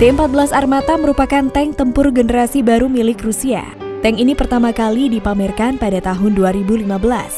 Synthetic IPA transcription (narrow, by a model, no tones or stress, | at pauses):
t̪eəmpat̪̚bəlasarmat̪aməɾupakant̪ɛŋt̪əmpʊrɡənəɾasibaɾumilɪkrusia̰ | t̪ɛŋinipərt̪amakalidipamɛrkanpadat̪aɦʊnduaɾibulimabəlas